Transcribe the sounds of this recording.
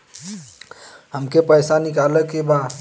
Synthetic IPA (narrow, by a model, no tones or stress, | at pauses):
ɦəmkepəjsanikaləkeba